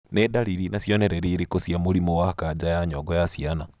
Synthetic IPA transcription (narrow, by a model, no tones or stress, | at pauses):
nedaliɾinasjoneɾeɾiɾikosjamuɾimowakad͡ʒajaɲoɡojasiana